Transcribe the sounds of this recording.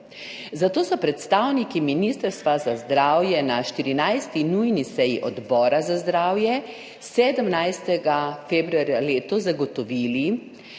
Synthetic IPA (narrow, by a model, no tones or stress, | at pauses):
zat̪oːsɔpɾɛt̪st̪awnikiminist̪əɾst̪ʋazazd̪ɾaːwjɛnaʃt̪iɾinajst̪inujnisɛjiʔɔd̪bɔːɾazazd̪ɾaːwjɛ | sɛːd̪əmnajst̪ɛɡafebɾuaɾjaleːt̪ɔzaɡɔt̪ɔʋiːli